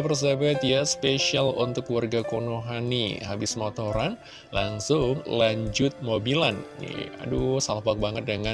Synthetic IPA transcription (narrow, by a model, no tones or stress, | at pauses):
pərs̬abat̪jaspeʃialṵnt̪ʊkːluwarɡakonoɦanḭɦa̰bɪsmot̪oɾan | laŋsʊŋlaɲd͡ʒʊt̪̚mobilannḭa̰dusalahbak̚baŋət̪̚dəŋa